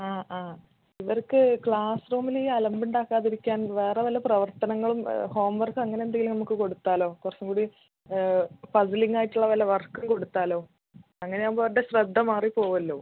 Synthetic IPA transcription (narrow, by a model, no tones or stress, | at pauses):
aːaː | iʋɐɾkːɨkɭaːsroːmiliːɐlɐmbuɳɖaːkːaːðiɾikʲːaːnʋeːreʋɐlːɐprɐʋɐrt̪ɐnɐŋːɐɭumho̞ːmʋɐrkɐŋːɐneend̪eŋɡilumnɐmukːɨko̞ɽut̪ːaːlo̞ːkurɐt͡ɕːumkuːɽi | pɐsɐliŋːaːjiʈːuɭːɐʋɐlːɐʋɐrkːumko̞ɽut̪ːaːlo̞ː | ɐŋːɐne̞ɐboɽeɕrɐd̪ʱːɐmaːripo̞ːʋɐlːoː